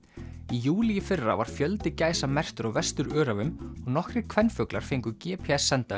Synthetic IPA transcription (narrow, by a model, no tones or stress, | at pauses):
ijuːlijɪfɪrːa̰va̰ɾ̥fjœlt̪ɪcaːjsamɛr̥t̪ʏɾɔɣvɛst̪ʏɾœːɾavʏmɔɣnɔhkɾɪ̥kʰv̥ɛnːfœklaɾ̥feŋkʏcɛːpʰeɛsːɛnt̪a